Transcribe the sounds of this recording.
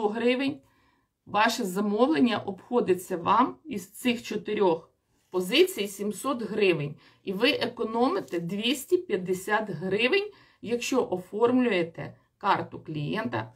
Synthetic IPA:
ɔɦɾɪʋenʲ | ʋɑʃɛzɐmɔʋlˠenʲːɐʔɔpxɔd̪ɪt͡sʲːɐʋɑmizt̪sɪxt͡ʃɔt̪eɾʲɔx | pɔzɪt͡sʲijsʲimsɔt̪ɦɾɪʋenʲ | iʋɪʔekɔnɔmɪt̪ɛd̪ʋʲisʲtʲipʲjɐd̪ːesʲat̪ɦɾɪʋɪnʲ | jɐkʃt͡ʃɔʔɔfɔrmlʲʊjet̪ɛ̰ | kɑrt̪ʊklʲijɛ̰nt̪ɐ̰

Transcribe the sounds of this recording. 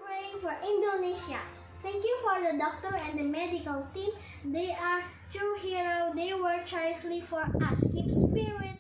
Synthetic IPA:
pɹeĩŋfɔɹʔĩndoneʃa | t̪ɛ̃ŋkjufɔɹd̪ədɔk̚t̪əɹɛ̃nd̪əmɛdikəlt̪ĩm | d̪eaɹ | t̪ɹuhiɹodewəɹt͡ʃaflifɔɹʔaskĩpspiɹiə̃n

